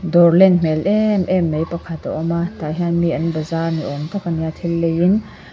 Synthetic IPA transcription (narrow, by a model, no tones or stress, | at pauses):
d̪ɔrlɛnm̥ɛlʔɛmʔɛmːejpɐkʰat̪a̰ʔɔmat̪aɦianmiʔɐnbɐzarnḭʔɔmt̪ʰakanjat̪ʰilːejin